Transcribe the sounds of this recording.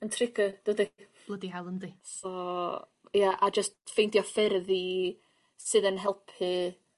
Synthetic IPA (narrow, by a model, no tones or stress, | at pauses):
əntʰrɪɡəd̥udi | b̥lˠədiɦalˠəndisɔ | jaʔad͡ʒəstfejntjɔfɪɾði | sɨðənɦɛlˠpʰhɨ